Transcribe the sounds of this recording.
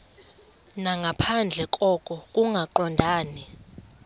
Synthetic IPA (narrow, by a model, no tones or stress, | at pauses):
naŋɡʱapʰand͡ɮʱɛkʼɔkʼɔkʼuŋɡʱaǃɔndʱaːni